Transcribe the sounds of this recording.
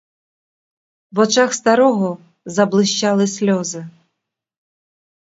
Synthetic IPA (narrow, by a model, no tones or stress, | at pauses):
vat͡ʂaxst̪aɾɔɣɔ | zɐblˠɨɕt͡ɕalˠɨsʲlʲɔzɨ